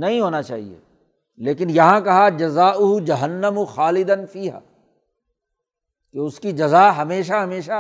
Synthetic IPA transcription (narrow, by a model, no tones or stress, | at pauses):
nɐɦĩɦoːnat͡ʃa̰ːɦḭḛː | leːkɪnjɐɦãkɐɦad͡ʒɐzaːʔʊɦʊd͡ʒɐɦɐnːɐmʊxaːlɪd̪ɐnfiːɦa̰ː | keʊskid͡ʒɐzaːɦɐmeːʃ̬aɦɐmeːʃa